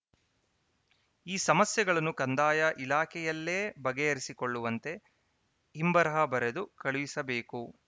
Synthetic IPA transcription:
iːsɐmɐsjɐɡɐɭɐnːukɐnd̪aːjɐʔilaːkʰɛjɐlːe̞ːbɐɡejɐɾisikoɭːuʋɐnt̪e̞ | imbɐɾɐɦɐbɐɾed̪ukɐɭuʋisɐbe̞ːku

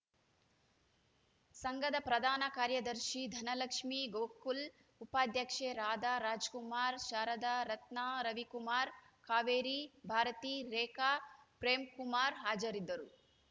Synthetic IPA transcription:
sɐŋɡɐd̪ɐpɾɐd̪ʱaːnɐkaːɾjɐd̪ɐɾʃid̪ʱɐnɐlɐkʂmiɡoːkul | upaːd̪ʱjɐkʂeːɾaːd̪aːɾaːd͡ʒkumaːɾʃaːɾɐd̪aɾɐt̪naɾɐʋikumaːɾ | kʰaːʋeːɾibʱaːɾɐt̪iːɾɛːkaːpɾeːmkumaːɾɦaːd͡ʒɐɾid̪ːɐɾu

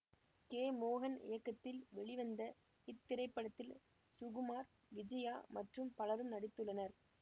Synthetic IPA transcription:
keːmoːɣɐnɪ̰jɐkːɐt̪ːɪlʋɛɭɪʋɐnd̪ɐ | ɪt̪ːɪɾɐɪpːɐɽɐt̪ːɪl | sʊɣɯmaːɾ | ʋɪd͡ʒɐjaːmɐʈrɯmpɐlɐɾɯmnɐɽɪt̪ːɯɭːɐnɐɾ

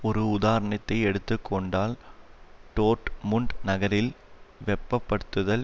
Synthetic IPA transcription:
ɔɾɯʊðaːɾɐɳɐt̪ːɐɪɛɽɯt̪ːɯkʰːɔɳɖaːl | ʈoːʈmʊɳɖnɐɣɐɾɪlʋɛpːɐpːɐɽɯt̪ːɯðɐl

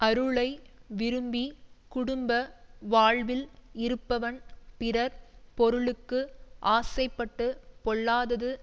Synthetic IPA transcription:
ʔɐɾɯɭɐɪʋɪɾɯmbikʊɽɯmbɐʋaːɭʋɪlɪɾɯpːɐʋɐnpɪɾɐɾpɔɾɯɭɯkːɯʔaːsɐɪpːɐʈːɯpɔɭːaːðɐðɯ

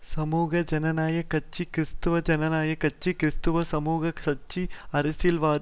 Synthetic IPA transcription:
sɐmuːɡʱɐd͡ʒɐnɐnaːjɐkɐt͡ʃːikɾist̪uʋɐd͡ʒɐnɐnaːjɐkɐt͡ʃːikɾist̪uʋɐsɐmuːɡɐsɐt͡ʃːiɐɾisilʋaː

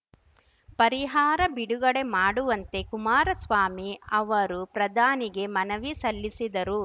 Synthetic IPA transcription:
pɐɾiɦaːɾɐbiɽuɡɐɽe̞maːɽuʋɐnt̪e̞kumaːɾɐsʋaːmiɐʋɐɾupɾɐd̪ʱaːniɡe̞mɐnɐʋisɐlːisid̪ɐɾu

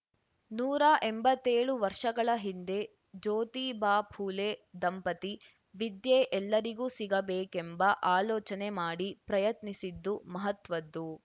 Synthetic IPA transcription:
nuːɾaʔembɐt̪ːeːɭuʋɐɾʂɐɡɐɭɐɦind̪e̞ | d͡ʒoːt̪iːbaːpʰuːleːd̪ɐmpɐt̪i | ʋid̪jeːʔɛlːɐɾiɡuːsiɡɐbeːkembɐʔaːlɔːt͡ʃɐnemaːɽipɾɐjɐt̪nisid̪ːumɐɦɐt̪ʋɐd̪ːu

